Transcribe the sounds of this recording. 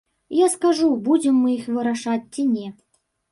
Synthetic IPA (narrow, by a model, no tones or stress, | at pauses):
jaskaʐubud͡zʲɛmːɨixvɨɾaʂat͡sʲt͡sʲinʲɛ